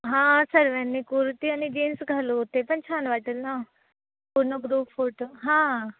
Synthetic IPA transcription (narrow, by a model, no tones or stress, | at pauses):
ɦãːsɐɾʋɛnːikuɾt̪iɐnid͡ʒeːnsɡʱalot̪epɐnt͡ʃʰaːnʋaːʈəlnãː | puɾnoɡɾuːpʰoʈːɦãː